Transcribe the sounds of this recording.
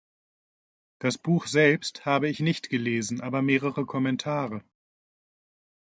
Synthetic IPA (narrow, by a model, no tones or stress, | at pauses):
d̥asb̥uːxz̥ɛlpsthaːbəɪçnɪçtɡ̥əleːzn̩ʔaːbɐmeːʁəʁəkʰɔmɛntʰaːʁə